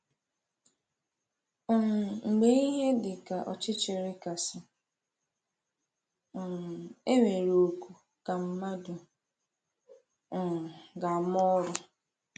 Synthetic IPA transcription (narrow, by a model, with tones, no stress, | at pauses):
ɔ˨ŋ͡m̩˨ɡ͡be˦i˦ɦe˦dɪ˨ka˨ʔɔ˨t͡ʃɪ˦t͡ʃɪ˨ɾɪ˦ka˨sɪ˨ | e˦ŋe˨ɾo˨o˨ku˨ | ka˨m̩˦ma˦du˨ | ɡa˨m˦ɔ˦ɾʊ˦